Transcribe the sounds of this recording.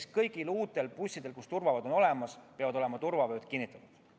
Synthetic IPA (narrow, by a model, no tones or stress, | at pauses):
skɤjɡ̥iluːt̪ːˑe̞lpusʲːid̪̥e̞lkust̪urvɑvɑd̪̥o̞no̞le̞mɑspeɑvɑd̪o̞le̞mɑt̪urvɑvø̞ːt̪kinːit̪ːˑɑt̪ud̪̥